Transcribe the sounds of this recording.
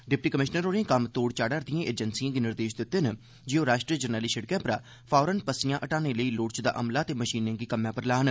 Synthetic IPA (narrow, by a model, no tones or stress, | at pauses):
ɖɪp̚ʈiːkəmɪʃnəɾoːɾẽkəmt̪oːɽt͡ʃaːɽəːɾd̪ijãːʔeːd͡ʒənsijãːɡiːnɪɾd̪eːʃd̪ɪʊt̪ːen | d͡ʒeoːɾaːʃʈɾiəd͡ʒəɾnəːliːʃəɽkɛ̃ːpɾaː | pʰaːɾənpəsijãːʔəʈaːneːləiːloːɽt͡ʃd̪a̰ːʔəmlaːət̪eːməʃiːnẽːɡiːkəmjãːpəɾlaːɦən